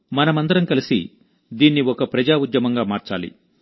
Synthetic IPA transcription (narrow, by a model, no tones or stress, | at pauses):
mɐnɐmɐnd̪ɐɾɐmkɐlisḭ | d̪iːnːiɔkɐpɾɐd͡ʒaːud̪jɐmɐŋɡaːmaːɾt͡ʃa̰ːlḭ